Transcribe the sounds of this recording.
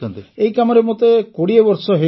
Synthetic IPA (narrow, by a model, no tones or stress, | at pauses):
eikamɔɾemot̪ekoɽiebɔɾsɔɦe